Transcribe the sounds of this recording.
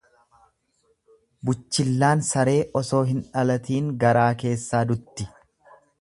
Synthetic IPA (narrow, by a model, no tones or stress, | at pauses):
bʊt͡ʃːɪlːaːnsɐɾe̞ːʔɔso̞ːɦɪnᶑɐlɐt̪iːŋɡɐɾaːke̞ːsːaːd̪ʊt̪ːɪ